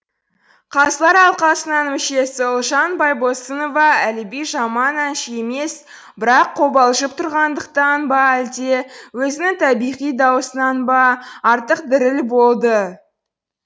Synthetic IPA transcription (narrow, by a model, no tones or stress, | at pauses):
qʰɑzəlˠɑɾɑlˠqɑsənɑnmɪʃe̞sɪʊlˠʒɑnbɑjbo̞sənovɑælɪbijʒɑmɑnɑnʃeme̞s | bɪɾɑqʰːo̞bɑlˠʒəp̚t̪ʰʊɾʁɑnd̪əqt̪ɑnbɑæld̪e̞wɵzɪnɪŋt̪ʰɑbijʁijd̪ɑwəsənɑnbɑɑɾt̪əq̚d̪ɪɾɪlbo̞lˠd̪ə